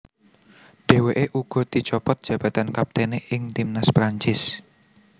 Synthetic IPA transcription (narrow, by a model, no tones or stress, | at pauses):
ɖ̥e̤weʔeʔuɡ̥ɔ̤d̪̥i̤t͡ʃɔpɔt̪̚dʒ̥a̤b̥ä̤t̪ankap̚t̪eneʔɪŋt̪imnaspɾaɲt͡ʃɪs